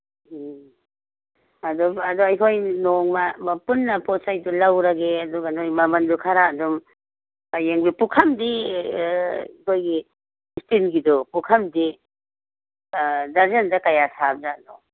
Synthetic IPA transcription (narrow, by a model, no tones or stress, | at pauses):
ɐdɔɐdoɐjkʰojnoŋmɐmɐpunːɐpɔsajdulawɾɐɡeɐduɡanojmɐmɐndukʰaɾaːdum | ajeŋbipukʰɐmdi | ikʰojɡi | istinɡidɔpukʰɐmdi | daɾzɐndɐkajasab̚zadɔ